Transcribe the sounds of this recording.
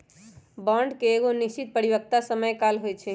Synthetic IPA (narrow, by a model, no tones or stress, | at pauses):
baɳɖkeːɣoniʃt͡ʃit̪̚pəɾibək̚t̪asəməjkalɦojt͡ʃʰɛ